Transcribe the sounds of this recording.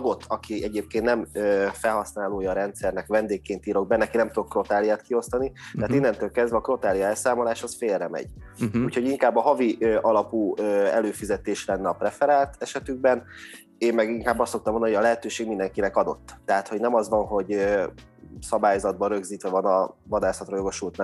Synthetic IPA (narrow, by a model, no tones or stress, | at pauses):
ɡo̞t̪ʰːɒkiɛɟeːp̚keːnt̪nɛmøfɛlhɒsnaːloːjɒːɾɛnt̪sɛrnɛkʋvɛnd̪eːkːeːnt̪iːɾo̞ɡ̚bɛnːɛkinɛmt̪ud̪okro̞t̪aːlijaːt̪kio̞st̪ɒnit̪ɛɦːt̪inːɛnt̪øːlkɛzd̪vɛɒkro̞t̪aːlijɒɛlsaːmo̞laːʃɒsfeːlrɛmɛ̰ɟ̥uːcho̞ɟiŋkaːbːɒɦɒviʔøʔɒlɒpuːøɛ̰løːfizɛt̪eːʃlɛnːɛɒprɛfɛɾaːt̪ɛʃɛt̪yɡ̚bɛn | eːmmɛɡiŋkaːbːɒstːokt̪ɒmonɒɦojɒlɛɦɛt̪øːʃeːɡmind̪ɛŋkinɛkɒd̪o̞̰t̪ːɛɦat̪ho̞ɟnɛmɒzʋɒnɦo̞ɟø | sɒbaːjzɒd̪̚bɒɾø̞ɡziːt̪ʋɛvɒnɒvɒd̪aːsɒt̪rɒjo̞ɡo̞ʃult̪n